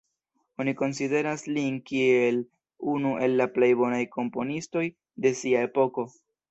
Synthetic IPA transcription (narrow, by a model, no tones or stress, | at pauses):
o̞niko̞nside̞ɾaslinkie̞l | unuʔe̞lːaple̞jbo̞najko̞mpo̞nisto̞j | de̞siae̞po̞ko̞